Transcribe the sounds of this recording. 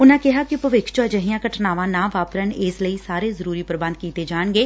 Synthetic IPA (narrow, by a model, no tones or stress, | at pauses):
ʊnãːkɪɦaːkɪpəʋɪkʰt͡ʃoəd͡ʒəɦɪãːkəʈʰnaːʋãːnãːʋaːpɾənɪːsləiːsaːɾeːzəɾuːɾiːpəɾbə̃nd̪̚kiːt̪eːd͡ʒaːɳɡeː